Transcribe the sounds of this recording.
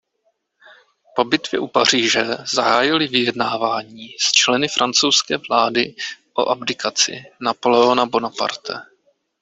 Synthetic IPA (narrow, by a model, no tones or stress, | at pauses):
po̞bɪt̪vjɛ̰ʔupar̝iːʒɛzaɦaːjɪlɪvɪjɛdnaːvaːɲiːst͡ʃlɛnɪfɾʔant͡sowskɛːvlaːdɪʔo̰ʔabdɪkat͡sɪ̰napolɛonabo̞napa̰ɾt̪ɛ̰